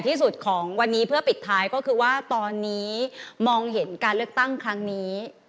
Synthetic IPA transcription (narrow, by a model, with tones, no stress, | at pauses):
t̪ʰiː˥˩su˨˩t̪̚kʰɔː˩˦ŋwa˧nːiː˦˥pʰɯ˥˩ɐpi˨˩t̪ʰːaː˦˥jkɔː˥˩kʰɯː˧waː˥˩t̪ɔː˧nːiː˦˥mɔː˧ŋɦe˩˦nkaː˧nlɯ˥˩ək̚t̪a˥˩ŋkʰɾa˦˥ŋniː˦˥